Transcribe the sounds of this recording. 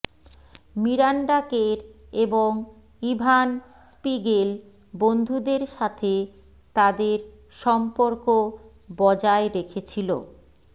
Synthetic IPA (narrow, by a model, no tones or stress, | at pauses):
miɾaɳɖakeɾeboŋ | ibʱan | spiɡel | bond̪ʱud̪eɾʃat̪ʰe | t̪ad̪eɾ | ʃɔmpoɾko | bɔd͡ʑaeɾekʰet͡ɕʰilo̰